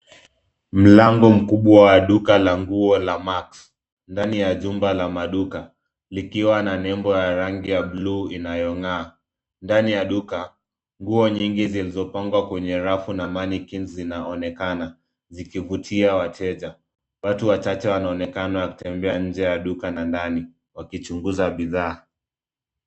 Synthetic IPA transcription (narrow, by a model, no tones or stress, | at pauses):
m̩laŋɡɔm̩kuɓwawaɗukalaŋɡuɔlamaks | ndanijaʄumbalamaɗuka | likiwananɛmbɔjaɾaŋɡijabluinajɔŋaː | ndanijaɗuka | ŋɡuɔɲiŋɡizilizɔpaŋɡwakwɛɲɛɾafunamanikinzinaɔnɛkana | zikivutʰiawatʰɛʄa | watuwat͡ʃat͡ʃɛwanaɔnɛkanawaku̥tɛmbɛaɲ̩d͡ʒɛjaɗukanandani | wakit͡ʃuŋɡuzaɓiðaː